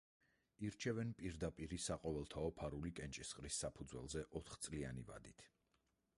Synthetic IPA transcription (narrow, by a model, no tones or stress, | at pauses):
iɾt͡ʃʰɛvɛnpʼiɾd̪apʼiɾisaqʼɔvɛlˠt̪ʰaɔpʰaɾulikʼɛnt͡ʃʼisχʼɾisːapʰud̪zwɛ̰lˠzɛʔɔt̪ʰχt̪sʼlia̰niva̰d̪it̪ʰ